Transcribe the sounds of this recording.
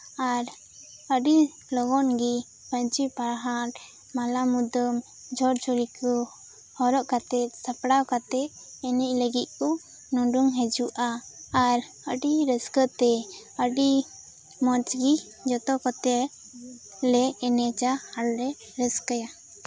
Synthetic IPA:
aɾ | əɖi | lɔɡɔnɡi | pəɲt͡ʃipaɾɦaɾ | malamud̪əm | d͡ʒʱɔɾt͡ʃɔɾikɔ | hɔɾɔʔkat̪ɛt̪̚sapɽawkat̪ɛʔ̚ | ɛnicləɡit̪̚ˀkɔ | nɔɖuŋɦɛd͡ʒuʔaːɾ | əɖiɾəskət̪ɛ | əɖi | mɔt͡ʃɡi | d͡ʒɔt̪ɔkɔt̪ɛ | lɛːnɛt͡ʃahalɾɛ | ɾəskəja

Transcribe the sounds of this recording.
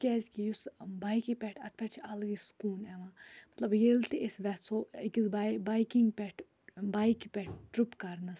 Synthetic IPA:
kʲɛzkijusbajkipʲɛʈʰɐt̪̚ʰpʲɛʈt͡ʃʰiʔɐlɡiskuːnɛʋãːmɐt̪lɐbjelt̪iʔesʋɛsoikizbabajkiŋɡpʲɛʈʰ | bajkipʲɛʈ̚ʰʈɾupkɐɾnɐs

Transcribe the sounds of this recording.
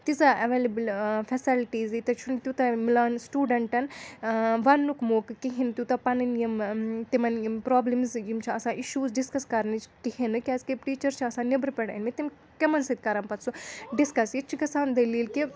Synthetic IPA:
t̪izɐʔɐʋeːlɐbɨlfɐsilʈiːzit̪ɐt͡ʃʰunt̪ut̪ɐmilaːnsʈuːɖɐɳʈɐn | ʋɐnːukmoːkɨkiɦint̪ut̪ɐpɐnɨnjɐmt̪imɐnimpɾoːblɐmzjimt͡ʃʰiɐsãːʔiʃuːzɖiskɐskɐɾnɨt͡ʃʰkihenɨkʲɛskepʈiːt͡ʃɐɾt͡ʃʰiɐsãːnibɾpʲɛɽḭnmit̪im | kɐmɐnsɐt̪̚kɐɾɐmpɐt̪suɖiskɐsjit͡ʃʰiɡɐsaːnd̪ɐliːlki

